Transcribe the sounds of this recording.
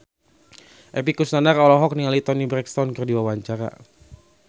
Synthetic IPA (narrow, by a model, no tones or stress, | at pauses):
ʔɛpikusnanarɔlɔɦɔk̚niŋalit̪ɔnibɾɛkst̪ɔnkɨrdiwawaɲt͡ʃaɾa̰